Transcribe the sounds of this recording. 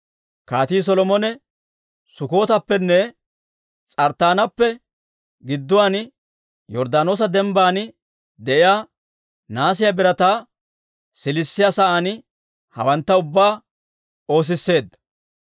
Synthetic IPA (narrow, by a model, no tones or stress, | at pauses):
kaːt̪iːs̬ɔlɔmɔnɛ | sʊko̞ːt̪ɐpːɛnːɛ | t͡sʼɐɾt̪ːaːnɐpːɛ | ɡɪd̪ːʊwaːn | jɔɾd̪aːno̞ːs̬ɐd̪ɛmbaːn | d̪ɛʔɪjaː | naːs̬ɪjabɪɾɐt̪aː | sɪlɪsːɪjaːsɐʔaːn | hɐ̰wɐnt̪ːɐʊbːaː | o̞ːs̬ɪsːe̞ːd̪ɐ